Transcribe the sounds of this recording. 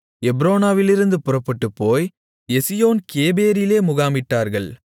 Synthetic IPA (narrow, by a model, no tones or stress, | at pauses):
ɛbɾoːnaːʋɪlɪɾɯnd̪ɯpʊrɐpːɐʈːɯpːoːj | ɛsɪjoːnkeːbeːɾɪleːmʊɣaːmɪʈːaːɾɣɐɭ